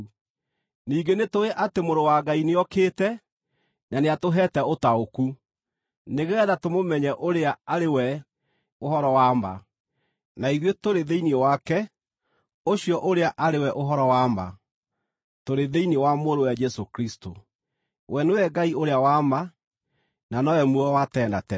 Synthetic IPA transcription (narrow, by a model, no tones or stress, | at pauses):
niːɡenetoeʔatemoɾowaɡaineɔkeːtɛ | naneatoɦɛːtɛotaoku | neɣɛːðatomomɛɲɛʔoɾeaaɾewɛ | oɦɔɾɔwaːma̰ | naiɾwetoɾeðeiniewakɛ | oɕiɔʔoɾeaʔaɾewɛʔoɦɔɾɔwama̰ | toɾeðeiniewamoɾowad͡ʒɛsokɾisto | wɛnewɛɡaioɾeawama | nanɔɛmwuɔwatɛːndatɛ